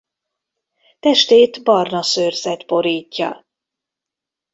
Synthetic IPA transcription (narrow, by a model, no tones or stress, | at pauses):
t̪ɛʃt̪eːt̪bɒrnɒsøːrzɛt̪bo̞ɾiːcːɒ̰